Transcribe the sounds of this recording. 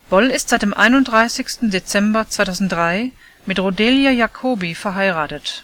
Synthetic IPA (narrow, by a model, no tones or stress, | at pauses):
b̥ɔlɪstz̥aɪt̚d̥eːmʔa̰ɪnʊnt̚d̥ʁaɪsɪçstn̩det͡sɛmbɐt͡sv̥aɪtʰaʊzn̩t̚dʁaɪ | mɪtʁodeljajakʰoːbifɛɐɦaɪʁaːtət